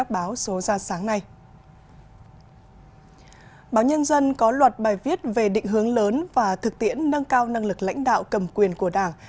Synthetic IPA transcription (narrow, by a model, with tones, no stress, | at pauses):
a˦˥k̚ɓaː˨˦wso˨˦zaː˧saː˨˦ŋna˧j | ɓaː˨˦wɲə˧nzə˧nkɔ˨˦lwə˨˩t̚ɓaː˨˩jvi˦˥ət̚ve˨˩ɗḭ̈˧˨ŋ̟ɦɨ˨˦əŋləː˨˦nvaː˨˩t̪ʰɨ˨˩k̚t̪ḭ˧˥ənːə˧nkaː˧wna˧ŋlɨ˨˩k̚la̰˧˥jŋ̟ɗa̰ː˧˨wkə˨˩mkwi˨˩ənku˧˩əɗaː˧˩ŋ